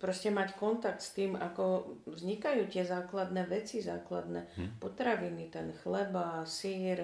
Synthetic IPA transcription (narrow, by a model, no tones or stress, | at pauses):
pɾɔscɛmackɔnt̪ak̚t̪st̪iːmakɔvzɲikajuːt̪ɪɛzaːklad̪nɛʋɛt͡sizaːklad̪nɛpɔt̪ɾaʋinit̪ɛnxlɛbasiːɾ